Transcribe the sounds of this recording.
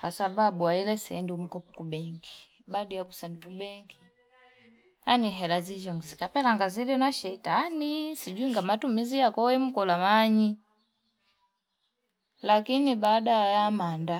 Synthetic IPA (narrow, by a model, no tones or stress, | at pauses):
kasababuailɛsɛ̰ndium̩kɔpu̥kubɛŋɡi | badijakusandikubɛŋɡi | aniɦɛlazid͡ʒɔŋɡzikapɛlaŋɡazilɔnaʃɛitanisiɟuiŋɡamatumizijakɔwɛm̩kɔlamaɲi | lakinibaːdajamanda